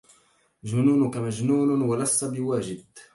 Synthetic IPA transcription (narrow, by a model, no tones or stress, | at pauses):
ʒʊnuːnʊkamaʒnuːnwalasːabɪwaːʒɪd̪